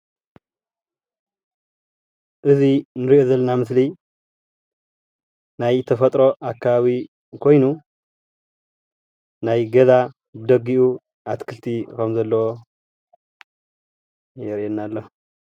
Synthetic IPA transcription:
ʔɨzinɨɾiʔozɐlːɐnamɨsli | najt̪ʰɐfɐt̪ʼɾo̞ʔakʰːaβaβi | kʰo̞jnu | najɡɐza | bɨd̪ɐɡːiʔu | ʔat̪kʰɨlt̪ʰikʰɐmzɐlːɐwo | jɛɾenːalːo

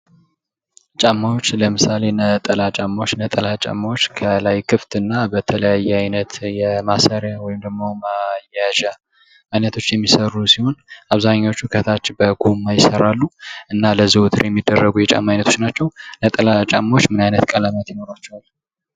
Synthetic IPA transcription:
t͡ʃʼamːawot͡ʃːləmɨsale̞nət̪ʼəlat͡ʃʼamːawot͡ʃːnət̪ʼəlat͡ʃʼa̰mːawot͡ʃːkʰəlajkʰɨft̪ɨnːabət̪ʰələjajːɛajnət̪jɛmasəɾjawɔjɪmd̪əɡmo̞majaʒa | ajnət̪ʰo̞t͡ʃːjɛmːisəɾusiho̞naβzaɲːawot͡ʃːhukʰət̪ʰat͡ʃːbəɡumːajɪsəɾalːuʔɨnːaləziwut̪ʰɨɾjɛmːid̪ːərːəɡujɛt͡ʃʼa̰mːajnət̪ʰo̥t͡ʃnat͡ʃːɛwnət̪ʼəlat͡ʃʼamːawot͡ʃːmɨnajnət̪kʼələmət̪jɪno̞ɾat͡ʃːɛwal

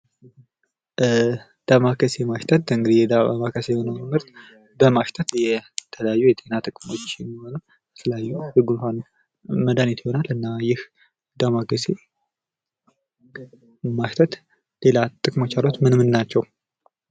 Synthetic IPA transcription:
d̪̥amakəsemaʃt̪ʰət̪ɨŋɡɨd̪ijɛd̪aa̰makʰəsejɛho̞nəwmmɨɾt̪ | bəmaʃt̪ʰət̪jɛt̪ʰələjajːujɛt̪ʰʼe̞nat̪ʼɨkʼmo̞t͡ʃːjɛmːiho̞nəw | jɛt̪ʰələjajːuhɨɡunfan | məd̪anit̪jɪho̞nalɨnːajɪh | d̪amakəse | maʃt̪ʰət̪ | le̞lat̪ʼɨkʼmo̞t͡ʃːalot͡ʃmɨnmɨnnat͡ʃːɛw

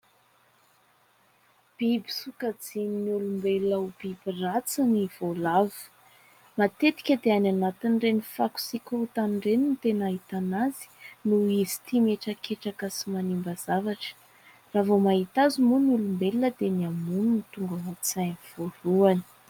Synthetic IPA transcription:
b̥ibi̥sukəd͡zininiulumbelləub̥ibirat͡siniv̥olavu̥ | mat̪et̪i̥kʲəd̪eananat̪inɖ͡ʐenifaku̥sikʲuut̪anɳɖ͡ʐeninit̪enaɦit̪anazi̥nuizi̥t̪imeʈ͡ʂəkeʈ͡ʂakəsimanimbəz̥avaʈ͡ʂə̥ | ravomaɦit̪azimunulumbelinəd̪eniamununit̪uŋɡaɦat͡sanv̥oɾuani̥

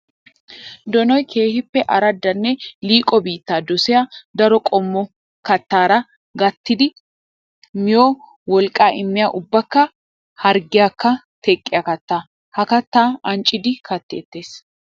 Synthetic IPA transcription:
d̪ɔnɔjkʰe̞ːhɪpːɛʔɐɾɐd̪ːɐnːɛliːkʼɔbiːt̪ːaːd̪ɔsɛjɐd̪ɐɾɔkʼɔmːɔ | kɐt̪ːaːɾɐ | ɡɐt̪ːɪd̪ɪ | mɪjoː | wɔlkʼːaːʔɪmːɪjaːʔʊbːɐkːɐ | hɐɾɡɪjakːɐ | t̪ʰɛkʼːɪjɐkɐt̪ːaː | hɐkɐt̪ːaːɐnt͡ʃʼːɪd̪ɪkɐt̪ːeːt̪ːeːs

